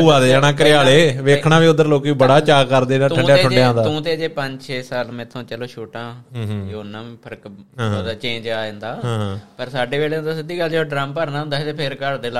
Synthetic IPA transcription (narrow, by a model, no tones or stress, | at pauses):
uaːd̪eːd͡ʒaːɽaːkəɾɪjaːleːʋeːkʰɳaːʋiːʊd̪əɾloːkiːbəɽaːt͡ʃaːkəɾd̪eːaːuə̃ɖjaːeʊɳɖeãːd̪aːũːt̪eːəd͡ʒeːpəɲd͡ʒt͡ʃʰeːsaːlmɛ̃ːt̪ʰːõːt͡ʃəloːʃoːʈãːjnːãːpʰəɾkːd̪aːt͡ʃẽːɲd͡ʒaːẽnd̪aːɦpəɾsaːɖeːʋeːleːnd̪aːsəd̪iːɡəld͡ʒeːoːɖɾaːmpəɾnaːɦʊ̃nd̪aːt̪eːpʰɪɾkəɽd̪eːla